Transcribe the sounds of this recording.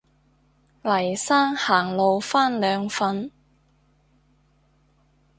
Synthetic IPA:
lɐ˨˩jsaː˥ŋhaː˨˩ŋlo˨˧wfaː˥nlœː˨˧ŋfɐ˧n

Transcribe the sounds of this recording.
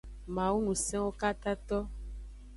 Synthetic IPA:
mã˨wu˦ŋũ˨sɛ̃˦wo˦ka˦t̪a˦t̪ɔ˦

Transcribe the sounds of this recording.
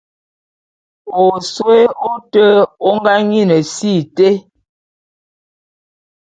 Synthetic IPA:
o˨so˦e˦o˦tə˦o˦ŋɡa˦ŋɲi˦nə˨si˦˨te˦

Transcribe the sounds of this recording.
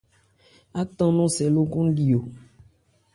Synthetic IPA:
a˦t̪ɔ̃˦nũ˦sɛ˨lo˦ɡũ˦ɖi˨o˨

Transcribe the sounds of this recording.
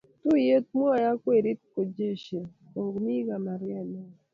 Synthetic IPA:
tu˦je˦t̪̚m˦ɔ˦˨ja˦kwe˦˨ɾi˦tko˨d͡ʒe˦ʃe˨ | o˨ɡmi˦ɡa˨ma˨ɾjɛ˦˨nɛ˦

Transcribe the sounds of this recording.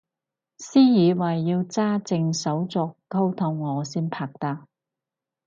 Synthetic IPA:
siː˥jiː˨˧wɐ˨˩jːiː˧wt͡saː˥t͡sɪ˧ŋsɐ˨˥wt͡sɔː˨˧kko˥wt̪ʰʊ˨˧˩ŋːɔː˨˧siː˥npʰaː˨˧k̚t̪aː˧

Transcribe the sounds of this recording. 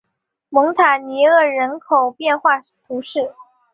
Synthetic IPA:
mɤ˧˥ŋt̪ʰa˨˩ni˧˥ɤ˥˩ɻə˧˥nkʰo˨˩ʊpjɛ˥˧nxwa˥˧ | t̪ʰu˧˥ʂɻ̩˥˩

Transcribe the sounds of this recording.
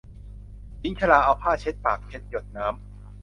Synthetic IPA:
t͡ɕi˦˥ŋt͡ɕʰa˧laː˧ʔa˧wpʰaː˥˩t͡ɕʰe˦˥t̪̚paː˨˩k̚t͡ɕʰe˦˥t̪̚jo˨˩t̪̚naː˦˥m

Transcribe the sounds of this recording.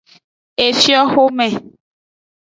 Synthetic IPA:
e˨fjɔ˦xo˦mɛ˨

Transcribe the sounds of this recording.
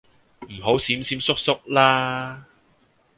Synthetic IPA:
m̩˨˩ɦo˨˥wsiː˨˥msiː˨˥msʊ˥k̚sʊ˥k̚laː˥

